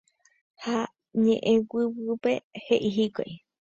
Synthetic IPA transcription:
ha | ɲḛ̃ʔẽwɨwɨpe̞heʔiɦiko̰j

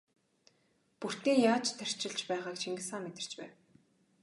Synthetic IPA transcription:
pur̥t̪iːŋjaːt͡ɕt̪ʰːær̥t͡ɕɪ̆ɮt͡ɕpæːʁaːkt͡ɕiŋɡɘ̆saːmːet̪ɪ̥̆t͡ɕpæ̰ːw

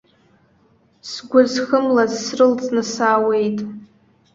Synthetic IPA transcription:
sɡʷʊzχəmlazsrɨlt͡sʼnɨsaːwe̞jtʼ

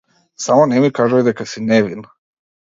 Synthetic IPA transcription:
samonemikaʒaod̪akasineʋin

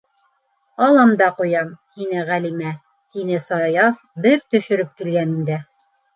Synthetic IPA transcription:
ɑlˠɑmd̪ɑqujɑmhinɘʁælimæ | t̪inɘsɑjɑf | bɘɾt̪ɵ̆ʃɵ̆ɾɵp̚kilɡænɘ̆md̪æ

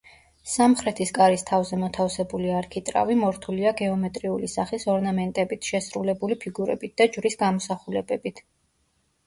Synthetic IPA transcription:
samχɾɛt̪ʰiskʼaɾist̪ʰavzɛmɔt̪ʰafsɛbuliaɾkʰit̪ʼɾa̰vimɔɾt̪ʰuliaɡɛɔmɛt̪ʼɾiulisaχisɔɾnamɛnt̪ʼɛbit̪ʰʃɛsɾulɛbulipʰiɡuɾɛ̰bit̪̚d̪̥ad͡ʒvɾisɡamɔsaχulɛbɛbit̪ʰ

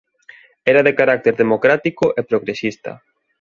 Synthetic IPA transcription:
ɛɾaðekaɾak̚t̪eɾðemokɾat̪ikʊʔepɾoɣɾesist̪ɐ̰

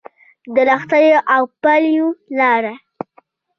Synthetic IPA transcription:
d̪əlaxt̪ajoʔawpaljolɑɾa

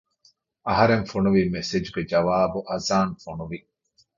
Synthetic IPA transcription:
ɐɦɐɾenfonuʋiːmesed͡ʒuɡed͡ʒɐʋaːbuʔɐzaːnfonuʋi

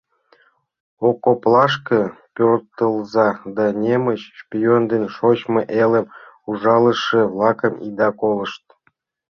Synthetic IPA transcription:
okːoplˠɑʃkəpʲørt̪əlˠzɑd̪ɑnʲeməɕʃpʲijond̪enʲʃot͡ɕmɤʔelə̆m | uʐɑlˠə̆ʃə̆vlˠɑkəmḭd̪ɑkoləʃt̪̚

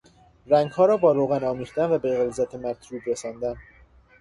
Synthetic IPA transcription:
ɾæŋɡhɒːɾɒːbɒːɾoɣænɒːmiːχd̪ænvæbeɣelzæt̪ʰemæɾt̪ʰɾuːbɾesɒːnd̪æn

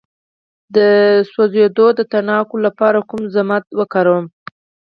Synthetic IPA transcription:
d̪əsozed̪od̪ət̪aɳɑkolapɑɾakumzamat̪wəkɑɾawəm

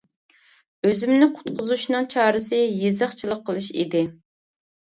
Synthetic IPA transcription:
øzɪmnɪqʰʊ̥t̪qʰʊzuʃnɨŋt͡ʃʰɑːɾɨsɨjezəχt͡ʃʰilˠəqʰːəlˠɨʃḭd̪ɪ

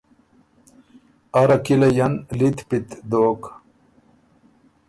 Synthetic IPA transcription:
ɐɾɐkilɐjɐnlit̪pit̪d̪oːk

